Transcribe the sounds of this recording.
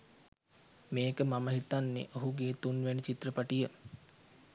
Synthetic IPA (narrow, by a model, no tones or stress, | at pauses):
meːkəmaməɦit̪anːḛʔoɦuɡeːt̪unʋænit͡ʃit̪rəpaʈijə